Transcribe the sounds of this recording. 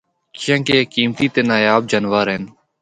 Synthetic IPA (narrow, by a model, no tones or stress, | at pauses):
t͡ʃjãːkeːekiːmt̪iːt̪eːnaːjaːb̚d͡ʒənʋaːɾeːn